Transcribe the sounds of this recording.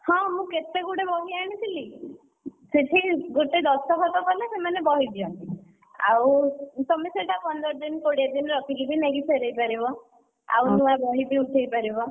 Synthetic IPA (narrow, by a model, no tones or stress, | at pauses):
hɔ̃mũket̪eɡuɽebɔɦiaɽ̃it̪ʰili | seʈʰiɡoʈed̪ɔsɔkɔt̪ɔkɔlesemanebɔɦid̪iɔnt̪i | a̰wt̪ɔmeseʈʰapɔnd̪ɔɾɔd̪inkoɽiad̪inɾɔkʰilibʱineɡisʰeɾejpaɾibɔ | a̰wnũabɔɦibiuʈʰejpaɾibɔ